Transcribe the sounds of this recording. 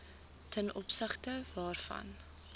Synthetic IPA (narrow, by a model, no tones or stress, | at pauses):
tʰɛnʔɔpsəχtəvɑːrfɐ̰n